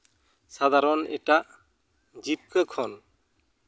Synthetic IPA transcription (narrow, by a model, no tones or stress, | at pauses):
sad̪ʱaɾɔnɛ̰ʈaʔ | d͡ʒip̚kəkʰɔn